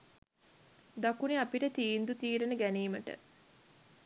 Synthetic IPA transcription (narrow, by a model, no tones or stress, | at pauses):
d̪akuneapiʈət̪iːnd̪ut̪iːɾənəɡæniːməʈə̰